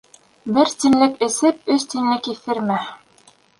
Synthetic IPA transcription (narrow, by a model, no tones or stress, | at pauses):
bɘɾt̪inlɘkɘ̆sɘp̚ɵst̪inlɘkiθɘ̆ɾmæ